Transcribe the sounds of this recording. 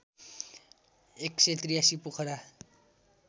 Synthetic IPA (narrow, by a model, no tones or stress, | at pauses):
ekset̪rijasipukʰʌɾa